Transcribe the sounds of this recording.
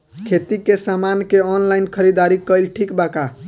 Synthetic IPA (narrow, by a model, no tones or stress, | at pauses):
kʰet̪ikesamankeɔnlainkʰəɾid̪aɾikəjlʈʰikbaka